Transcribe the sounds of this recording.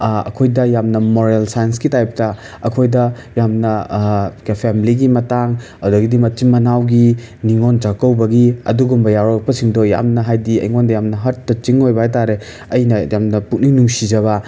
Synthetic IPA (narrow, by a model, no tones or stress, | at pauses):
ɐ̰kʰojdɐjamnɐmoɾelsajɐnsɡitajp̚tɐ | ɐkʰojdɐ | jamnɐkpʰemiliɡimɐtaŋ | ɐdoɡidimɐtimːɐnawɡi | niŋond͡ʒakɐwbɐɡiɐ̰duɡumbɐjawɾak̚pɐsiŋdoja̰mnɐɦajdiɐ̰jŋondɐjamnɐɦɐɾtːɐt͡ʃiŋojbɐɦajtaɾe | ɐjnɐjamnɐpuk̚ninuŋsid͡ʒɐβɐ